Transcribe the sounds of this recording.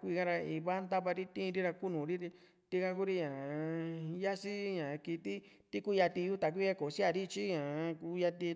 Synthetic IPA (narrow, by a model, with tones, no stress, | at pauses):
kʷi˧ɣa˦ɾa˧i˧βa˦nd̪a˦βa˧ɾi˦t̪ĩ˦˧ɾi˦ɾa˧ku˦nũ˨˦ɾi˦ɾi˧ | t̪i˦ka˧ku˦ɾi˦ɲã˨˧ja˦si˦ɲã˨˧ki˧t̪i˦ | t̪i˦ku˦ja˧t̪i˧ju˦t̪a˨k̬ʷi˦a˦ko˨si˦a˧ɾi˦t͡ʃi˦ɲã˨˧ku˧ja˧t̪i˧